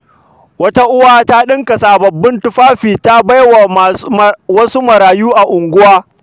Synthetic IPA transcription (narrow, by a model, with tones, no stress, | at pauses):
wɐ˦ta˦ʔʊ˦waː˦ta˦ɗɪ˦ŋka˨saː˨bɐ˨bːɪ˦ntʊ˦ɸaː˦ɸiː˨ta˦ba˦jwa˨wɐ˦su˦mɐ˨ɾaː˨juː˦ʔa˨ʔʊ˨ŋɡʷʊ˦waː˦